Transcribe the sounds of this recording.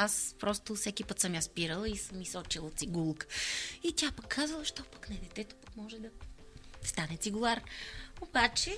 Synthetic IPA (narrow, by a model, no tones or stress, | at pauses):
aspɾɔst̪osɛkʲipɤt̪səmjaspiɾəlˠəisəmisɔt͡ʃilˠət̪siɡulˠkit̪ʲapəkʰːazvəlˠəʃt̪ɔpəknɛd̪ɛt̪ɛt̪o̥pəkmɔʒɛd̪ɐ | st̪anɛt̪siɡulˠaɾobat͡ʃɛ